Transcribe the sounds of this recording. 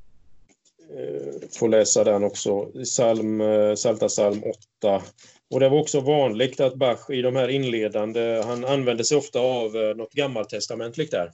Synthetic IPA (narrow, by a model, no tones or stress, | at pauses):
foːlɛːsad̪ɛanːɔksɔsalmsalt̪asalmʔɔt̪ːa | ɔd̪ɛvaɾɔksɔvɑːnlɪɡt̪at̪̚baɧɪd̪ɔmhæːɾɪnːleːd̪and̪əhananːvɛnd̪əsɛjɔft̪aːvnɔt̪ːɡamːalt̪ʰːɛst̪amɛnt̪ʰlɪɡkt̪æɾ